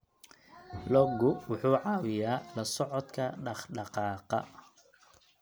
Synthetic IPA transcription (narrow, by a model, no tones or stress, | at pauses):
lɔɡʊwʊħuːʕɑːwɪjaːlɐsɔʕɔd̪kʰɐɖɑχɖɑqɑːqɑ̰